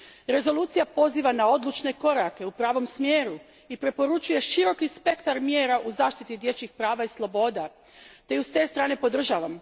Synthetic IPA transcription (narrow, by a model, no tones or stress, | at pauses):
ɾe̞zo̞luːt̪sijapo̞ziːʋanao̞d̪lˠut͡ʃne̞ko̞ɾake̞upɾaːʋo̞msmjeːɾu | ipɾe̞po̞ɾut͡ʃuje̞ʃiɾo̞kispe̞kt̪aɾmjeːɾaʔuzaːʃt̪it̪id̪je̞t͡ɕixpɾaːʋaislˠo̞bo̞d̪a | t̪e̞just̪e̞ːst̪ɾaːne̞po̞d̪r̩ʒaːʋam